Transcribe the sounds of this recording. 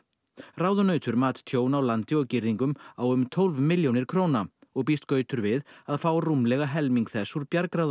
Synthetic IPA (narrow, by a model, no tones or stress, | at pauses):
raːwðʏnœːɥt̪ʏɾmaːt̪t̪ʰjoːwnawlant̪ɪɔɣcɪɾðiŋkʏmawʏmt̪ʰowlvmɪljownɪɾ̥kʰɾoːwnaɔɣpist̪kœːɥt̪ʏɾvɪðaðfaːwrumlɛɣaɦɛlmiŋkθɛsːuɾpjaɾkɾað